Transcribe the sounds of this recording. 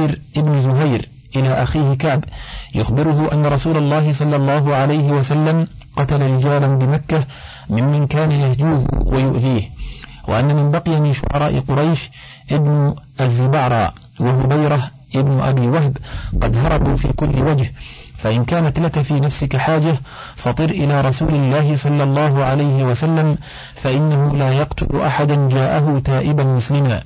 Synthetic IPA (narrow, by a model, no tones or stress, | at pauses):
ɾʔɪbnzʊɦajɾ | ʔɪlaːʔaxiːhɪkaʕbjʊxbɪɾʊɦʊʔanːaɾˤɑsuːlɑlˤːɑːhɪs̬ˤɑlːɑlˤːɑːɦʊʕalajɦɪwasalːam | qɑt̪alaɾɪd͡ʒaːlanbɪmakːa | mɪmːankaːnajahd͡ʒuːhwajʊʔðiːhwa̰ʔanːamɪnbɑqɪjamɪʃʊ̰ʕɑ̰ɾˤɑːʔɪ̰qʊɾˤɑjʃ | ʔɪbnʊʔazːɪbɑʕɾˤɑ̰ː | waɦʊbajɾa | ʔɪbnʊʔa̰biːwaɦbqɑ̰d̪ɦɑɾˤɑbuːfḭːkʊlːɪwad͡ʒh | faʔɪnkaːnat̪lakafiːnafsɪkaħaːd͡ʒa | fɑt̪ˤɨɾʔɪlaːɾˤɑsuːlɪlːaːhɪsˤɑlːɑlˤːɑːɦʊʕalajhɪwasalːam | faʔɪnːaɦʊlaːjɑqt̪ʊ̰lʔaħad̪and͡ʒaːʔaɦʊt̪aːʔɪbanmʊslɪmaː